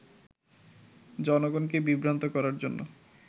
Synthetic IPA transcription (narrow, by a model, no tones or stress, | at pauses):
d͡ʑɔnoɡonkebibɾant̪okɔɾaɾd͡ʑonːo̰